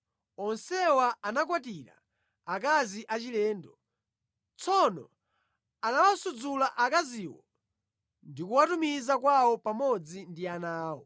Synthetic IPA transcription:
ɔnsɛwaanak̬watiɾa̰ | ak̬aziʔat͡ʃilɛːndɔ | t͡sʰɔnɔ̰ | anawasud͡zulaʔakaziwɔ̰ | ndikuwatumizakwawɔpamɔd͡zindianaːwɔ̰

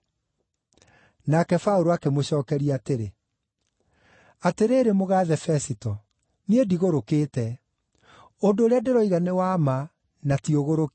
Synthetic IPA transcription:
nakɛfaoɾoakemoɕɔːkɛɾiateɾe | ateɾeːɾemoɣaːðɛfɛsitɔ | niediɣoɾokeːtɛ | ondoːɾeadeɾɔiɣanewama | natioɣoɾok

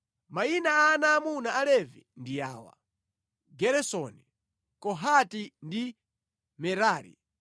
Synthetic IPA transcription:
mainaanaːmunaalɛvindijaːwa̰ | ɡɛɾɛsɔni | kɔɦatindi | mɛɾaːɾḭ

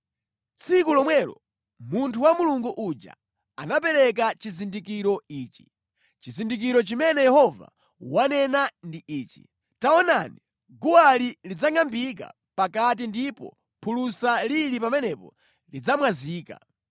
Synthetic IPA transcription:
t͡sʰikulɔmwɛlɔ̰ | muntʰuwamuluŋɡuʔud͡ʒa̰ | anap̬ɛɾɛk̬at͡ʃizindikiɾɔiːt͡ʃi̥ | t͡ʃizindik̬iɾɔt͡ʃimɛnɛjɛhɔva̰ | wanɛnandiʔiːt͡ʃi̥̰ | taɔnani | ɡuwalilid͡zaŋambika̰ | pakat̬indipɔ̰ | pʰulusalilipamɛnɛpɔ̰ | lid͡zamwaziːka̰

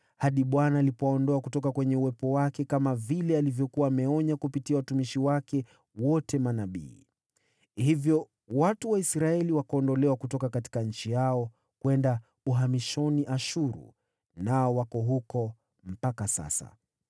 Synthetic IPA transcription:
haɗiɓwanaːlipɔaɔndɔakutɔkakwɛɲɛuwɛpɔwakɛkamavilɛalivjɔkuwaːmɛɔɲakupitiawatumiʃiwakɛ | wɔtʰɛmanaɓḭː | hivjɔ | watuwaisɾaɛliwakaɔndɔlɛwakutɔkakati̥kaɲ̩t͡ʃijaɔ | kwɛnda | uɦamiʃɔniʔaʃuɾṵ | naɔwakɔɦukɔ | m̩pakasa̰sa̰

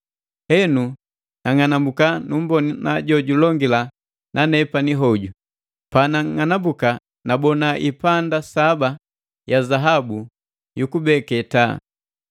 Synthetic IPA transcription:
hɛnu | naŋanambukanumbɔninaɟɔɟulɔŋɡila | nʔanɛpaniɦɔɟu | panaŋanambuka | nabɔnaʔipandasaba | jazaɦabu | jukubɛkɛta̰

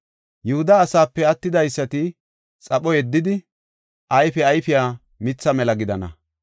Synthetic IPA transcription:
jʊhʊd̪aːsaːpːɛɐt̪ːɪd̪ɐjsːɐt̪ɪ | t͡sʼɐɓɔjɛd̪ːɪd̪ɪ | ʔɐjfɛɐjfɪjaː | mɪt͡sːɐmɛlɐɡɪd̪ɐnɐ̰

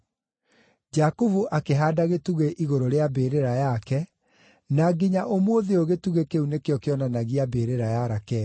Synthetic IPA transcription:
d͡ʒakovuʔakeɦaːdaɣetuɣeʔiɣoɾoɾeabeːɾeɾajakɛ | naɡiɲaʔomwoðeoɣetuɣekeunekeɔkeɔnanaɣiabeɾeɾajaɾakɛ

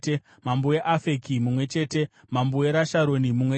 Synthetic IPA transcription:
e | mambueʔafekimumwe̞t͡ʃe̞ːte̞ | mambueɾaʃaɾo̞nimumwe

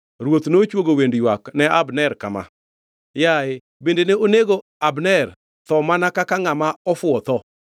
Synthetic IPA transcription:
ɾwot̪not͡ʃwoɡowendjwaknɛabnɛɾkama̰ | jaɪ | bendeneoneɡo | abnɛr | t̪ɔmanakakaŋamaɔfʊɔt̪ɔ

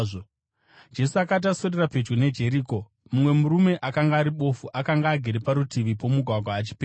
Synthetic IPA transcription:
o | d͡ʒe̞suakat̬aso̞rerape̞d͡ʒɡone̞d͡ʒe̞ɾiːko̞ | mumwe̞muɾume̞ʔakaŋɡaːɾiɓo̞fuʔakaŋɡaːɡʱeɾepaɾutʰiʋipo̞muɡʱwaɡʱwaːt͡ʃi̥peː

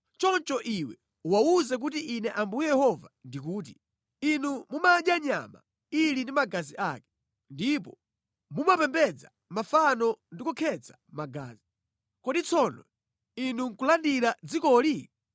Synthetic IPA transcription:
t͡ʃɔnt͡ʃɔʔiwɛ | wauzɛk̬ut̬iʔinɛʔambujɛjɛhɔvandik̬uːt̬i | inumumaɗjaɲa̰ma̰ | ilindimaɡaziʔaːkɛ̥ | ndip̬ɔ̰ | mumapɛmbɛd͡za | mafanɔndikukʰɛt͡samaɡa̰ːzi | kɔdit͡sʰɔnɔ̰ | inuŋkulandiɾad͡zikɔli

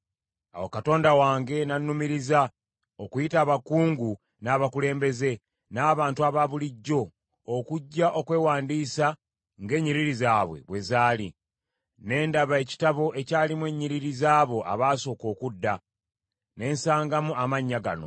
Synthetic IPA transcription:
a̰wokato̞ːndawaːŋɡe̞nanːumiɾiza | okujitaːβakuːŋɡu | naːβakule̞ːmbe̞ze̞ | naːβaːntuaβaβuliɟːo̞ː | kuɟːaʔo̞kwe̞ːwaːndiːsa | ŋɡe̞ːɲːiɾiɾizaːβwe̞̰βwe̞zaːlḭ | ne̞ːndaβae̞ci̥taβo̞ʔe̞caːlimwe̞ɲːiɾiɾizaːβo̞ʔa̰βaːso̞ːko̞ːkudːa | ne̞ːnsaːŋɡamuamaɲːaɡa̰no̞̰

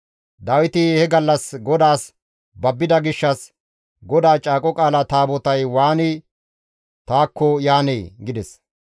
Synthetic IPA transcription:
d̪ɐwɪt̪ɪhɛɡɐlːɐsɡɔd̪aːs | bɐbːɪd̪ɐɡɪʃːɐs | ɡɔd̪aːt͡ʃʼaːkʼɔkʼaːlɐt̪aːbɔt̪ɐjwaːni | t̪aːkːɔjaːneːɡɪd̪ɛs

